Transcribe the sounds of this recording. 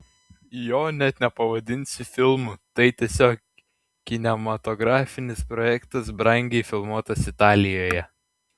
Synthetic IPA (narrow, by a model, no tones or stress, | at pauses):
joːnʲɛt̪nʲɛpɐʋɐd̪ʲɪnʲsʲɪfʲɪlˠmut̪ɐɪt̪ʲiɛsʲoːk | kʲɪnʲɛmɐt̪ɔɡɾɑːfʲɪnʲɪspɾɔjɛkt̪ɐs̬bɾɐŋʲɡʲɛɪfʲɪlˠmuɔt̪ɐsɪt̪ɑːlʲɪjoːjɛ